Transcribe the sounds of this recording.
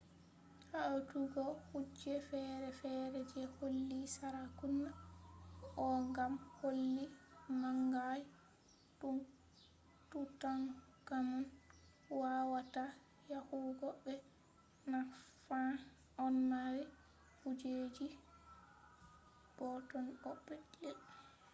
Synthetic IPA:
haʔɔtuɡɔhud͡ʒɛfɛɾɛfɛɾɛd͡ʒɛholːisaɾakunːa | ɔŋɡamholːimaŋɡaj | tun | tutaŋ | kaman | wawata | jahuɡɔɓɛ | nafa | ɔnmawɛ | hud͡ʒed͡ʒi | b̥ɔtɔnɔɓːɛdɛl

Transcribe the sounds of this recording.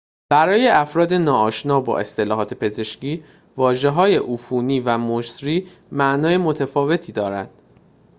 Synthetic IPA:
b̥æɾɒːje̞ʔæfɾɒːd̪e̞nɒːɒːʃnɒːbɒ̰ːʔest̪e̞lɒːɦɒːt̪ʰe̞pʰe̞ze̞ʃciː | vɒːʒe̞ɦɒːje̞ʔufuːniːvæmoʃt̪ɾiː | mæʔnɒːjemo̞t̪ʰæfɒːve̞t̪ʰiːd̪ɒːɾænd̪̥

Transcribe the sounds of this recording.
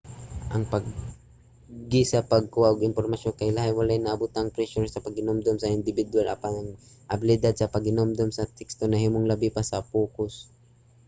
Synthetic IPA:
ʔɐŋpaɡ | ɪsapɐɡ̚kuaʔʊɡɪnpoɾmaʃonkajlaɦajwalaʔnaːbʊt̪aŋpɾɛʃʊɾsɐpaɡ̚hɪnomd̪omsɐɪnd̪ɪbɪd̪wala̰panaŋ | ʔabɪlɪd̪ad̪̚sɐpaɡ̚hɪnomd̪omsɐt̪ɛkst̪onaɦimʊŋlabɪpasapuːkʊs

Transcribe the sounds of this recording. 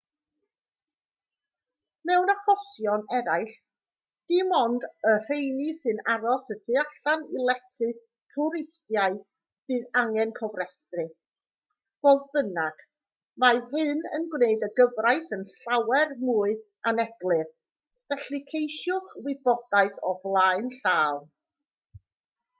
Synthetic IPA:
mɛwnaχɔsjɔnɛɾaɨɬ | d̥imɔndər̥ejnisɨnaɾɔsətʰɨaɬanilˠɛtʰɨ | tʰʊɾɪstjaɨ | v̥ɨːðaŋɛnkʰɔvrɛstrɨ | voːðbənaɡ̥ | maɨɦɨnə̰nɡwneɨdəɡəvrajθənɬawɛrmuːɨ | anɛɡlˠɨr | vɛɬikʰejʃʊχwɪbɔd̥aɨθɔvlˠaɨnɬaːlˠ

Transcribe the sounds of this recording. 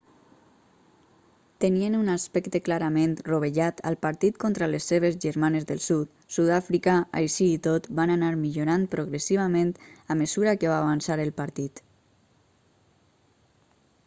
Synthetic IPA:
t̪ənienunaspɛkt̪eklaɾamenruβ̞eʒat̪ə̰lˠpaɾt̪it̪kont̪ɾalesːeβ̞ezʒəɾmanezðəlˠsut̪ | suðafɾikaa̰jʃiːt̪ot̪bananaɾmiʎuɾanpɾoɣɾesiβ̞ament̪aməzuɾakeβaːβansaɾəlˠpaɾt̪it̪

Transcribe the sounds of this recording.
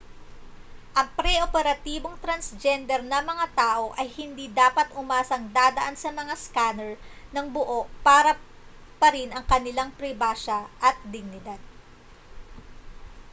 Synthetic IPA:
ʔɐŋpɾɛʔopɛɾɐt̪iːbo̞ŋt̪ɾɐnsd͡ʒɛnd̪ɛɾnɐmɐŋat̪aːʔo̞ʔɐjhɪnd̪iːd̪aːpɐt̪ʊmaːsɐŋd̪aːd̪ɐʔansɐmɐŋaskaːnɛɹnɐŋbʊʔo̞ʔpaːɾɐ | pɐɾɪnʔɐŋkɐnɪlaŋpɾɪbaːʃɐʔɐt̪̚d̪ɪɡ̚nɪd̪ad̪̚

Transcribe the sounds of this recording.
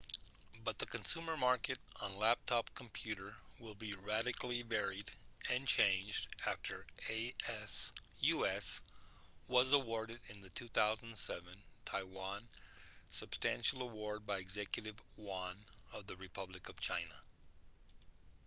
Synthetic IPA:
bʌt̪̚ðɨkʰɨ̃nsʉ̃mə˞mɑɹkɨɾ̃n̩læp̚tʰɑpkʰm̩pʰj̥ʉɾə˞wɪlˠbiɹæɾɨkl̩ˠivɛɹiɾɨ̃nt͡ʃʰẽɪ̃nd͡ʒdæftʰə˞eɪɛs | jʉɛs | wʌzəwɔɹɾɨɾɪ̃nðɨtʰʉθaʊz̃n̩d̥sɛvɨ̃ntʰaɪwɑ̃nsɨb̥stæ̃nʃl̩ˠəwɔɹd̚baɪɨɡzɛkjɨɾɨvwɑ̃nʌvðɨɹɨpʰʌblɨkʌv̥t͡ʃʰãɪ̃nə

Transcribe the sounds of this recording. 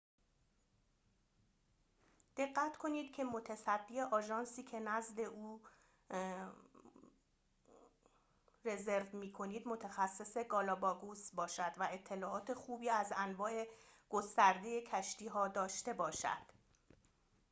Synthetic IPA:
d̪̥e̞ɢːæt̪kʰo̞niːd̪̥cʰe̞mo̞t̪ʰæsæd̪ːiːe̞ʔɒːʒɒːnsiːcʰe̞næzle̞ʔuː | re̞ze̞ɾvmiːkʰo̞niːd̪mo̞t̪ʰæxæsːe̞se̞ɡɒːlɒːbɒːɡusbɒːʃæd̪væe̞t̪ʰːe̞lɒːʔɒːt̪ʰe̞xuːbiːæzænvɒːʔe̞ɡ̥o̞st̪æɾd̪e̞je̞cʰæʃt̪iːɦɒːd̪ɒːʃt̪e̞bɒːʃæ̰d̪̥

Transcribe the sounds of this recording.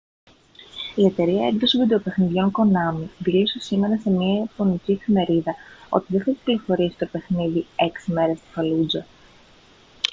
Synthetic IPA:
ie̞t̪e̞ɾiɐeŋɡðosivid̪e̞ope̞xniðʝo̞ŋko̞nɐmiðilosesime̞ɾɐse̞miɐpo̞niciefime̞ɾiðɐo̞̰t̪iðeθɐii̥pliɾofo̞ɾisi̥t̪o̞pe̞xniðie̞ksime̞ɾe̞st̪i̥fɐlud͡zɐ

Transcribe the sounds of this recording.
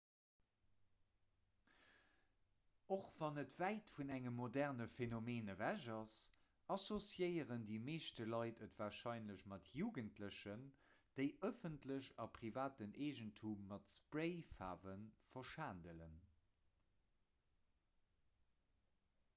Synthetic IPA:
oχv̥ɑnətv̥æɪtfunæŋəmːodæʁnəfenomeːnəvæʑɑs | ʔɑsosjəɪəʁəndiːmeːʃtəlɑɪtʰətv̥aːʃɑɪnləɕmɑtʰjuːɡəntʰləɕənd̥eɪʔəfəntʰləʑɑpʁivaːtənʔeːʒəntʰumːɑtspʁeɪfa̰ːvənfɐʃaːndələn

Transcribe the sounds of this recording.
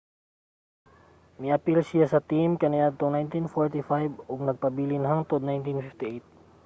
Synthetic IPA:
mɪʔɐpɪlsɪjasɐt̪imkɐnɪʔad̪̚t̪oŋnajnt̪infoɹt̪ɪfajboɡnɐɡ̚pɐbiːlɪnɦaŋt̪od̪najnt̪infɪft̪iʔejt̪̚

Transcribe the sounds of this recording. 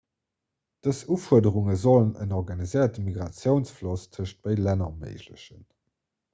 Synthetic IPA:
d̥əsufuədəʁuŋəzolənə̰nɔʁɡanizəɪɐtəmiɡʁat͡sjəʊnsflostʰəʃt̚b̥əɪlænɐmə̰ɪʒlə̰ɕən

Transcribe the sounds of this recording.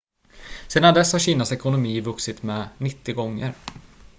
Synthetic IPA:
seːd̪and̪ɛshaɾɕiːnasɛkʊnʊmiːvɵksɪt̪mɛnɪt̪ːɪɡɔŋːə̰ɾ

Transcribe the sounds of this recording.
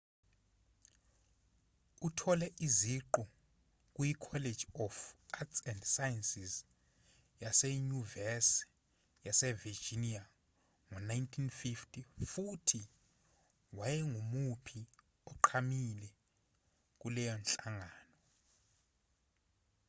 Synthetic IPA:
utʰɔlɛʔiziǃɔ | k̬ʼujikʰɔle̥d͡ʒ̥ʱiɔfatsɛndsajɛnsiz | jasɛɲuvɛs | jasɛvid͡ʒinia | ŋɔnajntʰinfiftʰʼifutʰi | wajɛŋumupʰi | ɔǃʰamilɛ | k̬ʼulɛjɔnt͡ɬʼaŋaːnɔ

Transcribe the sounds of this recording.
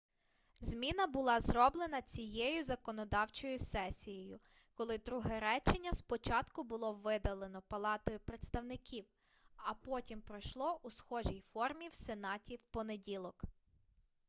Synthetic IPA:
zʲmʲinɐbʊlˠɑzrɔblˠenɐt͡sʲijejʊzɐkɔnɔd̪ɑwt͡ʃɔjʊsɛsʲijɔjʊ | kɔlˠɪd̪ɾuɦɛɾɛt͡ʃɪnʲːɐspɔt͡ʃɑt̪kʊbʊlˠɔʋɪd̪ɐlˠe̞nɔpɐlˠɑt̪ɔjʊpɾet̪st̪ɐwnɪkʲʰiw | ɐpɔtʲimpɾɔjʃlˠɔʔusxɔʒijfɔrmʲiwsenɑtʲiwpɔnedʲilˠɔk

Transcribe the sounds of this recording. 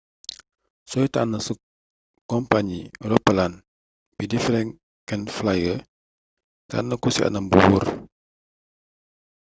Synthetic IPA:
soit̪anəsə | kɔmpaɲiɾɔpəlan | pidifɾɛŋ | kɛnflajə | t̪a̰nəkusiʔa̰nambuwṵr

